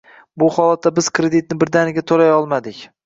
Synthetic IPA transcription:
bʊhɒlat̪ːabɪz̥kʰɾed̪ɪt̪̚nɪbɪɾd̪anɪɡʲat̪ʰolajɒlˠmad̪ɪkʲ

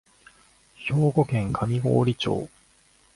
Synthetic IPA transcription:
ço̞ːɡo̞kẽ̞ŋkʰamʲiɡo̞̰ːɾʲit͡ɕo̞̰ː

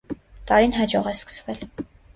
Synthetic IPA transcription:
t̪ɑɾinɦɑd͡ʒɔʁɛskə̥svɛl

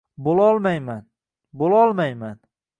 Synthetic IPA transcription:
bolˠɒlˠmajman | bolˠɒlˠmajman

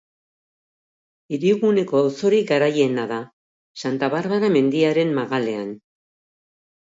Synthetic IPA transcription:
iɾiuɣune̞ko̞awso̞ɾiɡaɾaje̞naða | sant̪aβaɾβaɾame̞nd̪iaɾe̞mmaɣale̞an

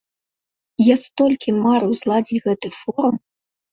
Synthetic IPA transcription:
jast̪ɔlʲkʲimaɾɨwzlˠad͡zʲit͡sʲɣɛt̪ɨfɔɾum

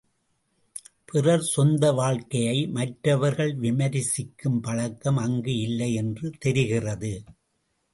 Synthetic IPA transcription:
pɪrɐɾsɔnd̪ɐʋaːɻkɐjɐɪmɐʈɾɐʋɐɾɣɐɭʋɪmɐɾɪsɪkːɯmpɐɻɐkːɐmɐŋɡɯɪlːɐɪɛndrɯt̪ɛɾɪɣɪrɐðɯ

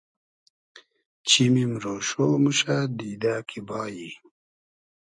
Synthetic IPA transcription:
t͡ɕimimɾoːʃoːmuɕad̪iːd̪aːkʰibɑːji

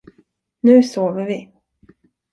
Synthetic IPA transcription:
nʉ̟ːsoːvəɾvɪ

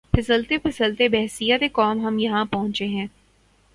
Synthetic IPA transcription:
pʰɪsəlt̪epʰɪsəlt̪ebɛɦsijət̪ekɔːmɦɐmjɐɦãpɐɦʊ̃ɲt͡ʃeɦɛ̃ː

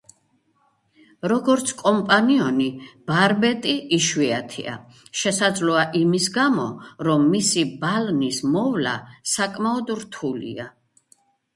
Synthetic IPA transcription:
ɾɔɡɔɾt̪sʰkʼɔmpʼaniɔnib̥aɾbɛt̪ʼiʔiʃwiat̪ʰḭa̰ | ʃɛsad̪zlɔaʔimisɡamɔɾɔmːisibalnismɔvla̰sakʼmaɔd̪ɾt̪ʰulḭa

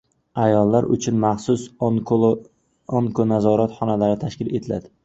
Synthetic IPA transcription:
ajɒlˠːaɾʔʊ̰t͡ʃʰʊnmaχsʊs | oŋkʰonazɒɾat̪χɒnalaɾɪt̪ʰaʃkʲɪle̞̰t̪ʰɪla̰d̪ɪ

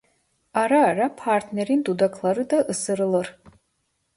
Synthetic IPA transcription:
aɾaːɾapʰart̪ʰneɾind̪ud̪akʰlˠaɾɨd̪aʔɨsɨɾɨlɨr

